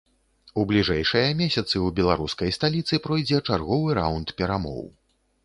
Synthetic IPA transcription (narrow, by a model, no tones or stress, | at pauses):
ublʲiʐɛjʂɐjɐmʲesʲɐt̪sɨubʲɛlˠaɾuskɐjst̪alʲit̪sɨpɾɔjd͡zʲɛt͡ʂarɣɔvɨɾa̰wnt̪pʲɛɾamɔ̰w